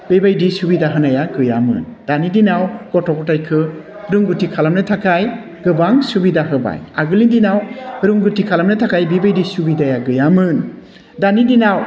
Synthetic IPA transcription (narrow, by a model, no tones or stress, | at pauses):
bebajdisubidaɦɯnajaɡɯja̰mɯ̰ndanidinawkɔtʰɔkɔtajkʰɯ | ɾuŋɡutʰikʰalamnɯtʰakʰaj | ɡ̥ɯbaŋsubidaɦɯba̰jaɡɯlindinawɾuŋɡutʰikʰalamnɯtʰakajbibajdisubidajaɡɯjamɯn | danidinaw